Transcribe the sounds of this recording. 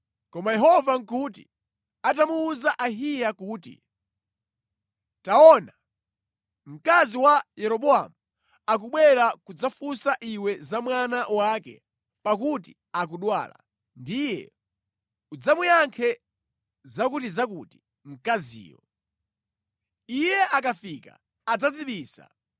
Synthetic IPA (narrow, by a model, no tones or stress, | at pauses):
kɔmajɛɦɔvaŋ̩kut̬ḭ | atamuːzaʔaɦijakuːtḭ | taɔna | m̩kaziwajɛɾɔɓɔa̰mu | ak̬uɓwɛɾakud͡zafusaʔiwɛzamwanaʔwaːkɛ̰ | pak̬uti | ak̬uɗwa̰ːla̰ | ndijɛ̰ | ud͡zamujaŋkʰɛ | zakutizakuti̥ | m̩kazḭːjɔ̰ | ijɛʔakafiːka̰ː | d͡zad͡ziɓiːsa̰